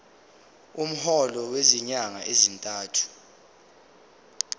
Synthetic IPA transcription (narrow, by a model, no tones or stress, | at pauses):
um̩hɔlɔweziɲaŋa̰ʔezintʼaːtʰu̥